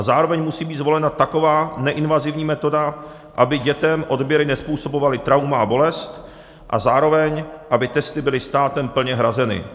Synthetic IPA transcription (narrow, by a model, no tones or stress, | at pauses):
azaːɾo̞vɛɲmusiːbiːt̪zvo̞lɛnat̪ako̞vaːnɛʔɪnvazɪvɲiːmɛt̪o̞da | ʔabɪɟɛt̪ɛmʔo̞dbjɛɾɪnɛspuːso̞bovalɪt̪ɾawmaabo̞lɛst̪ | ʔa̰zaːɾo̞vɛɲʔabɪt̪ɛst̪ɪbɪlɪst̪aːt̪ɛmpl̩ɲɛɦɾazɛnɪ̰